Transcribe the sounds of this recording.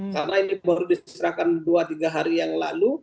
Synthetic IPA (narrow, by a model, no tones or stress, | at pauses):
karnainibaɾudist̪ɾakanduat̪iɡaɦaɾijaŋla̰lu